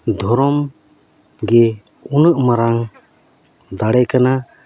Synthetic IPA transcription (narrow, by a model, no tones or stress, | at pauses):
d̪ʱɔɾɔm | ɡɛ | unəʔmaɾaŋ | d̪aɽɛkana